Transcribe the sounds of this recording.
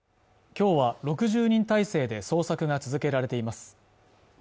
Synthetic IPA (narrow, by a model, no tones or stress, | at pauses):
kʲo̞ːβaɾo̞kɯ̟ʑɨːɲ̟ĩnt̪aise̞ːd̪e̞so̞ːsakɯ̟ŋat͡sɨzɨke̞ɾaɾe̞t̪e̞imasɨ̥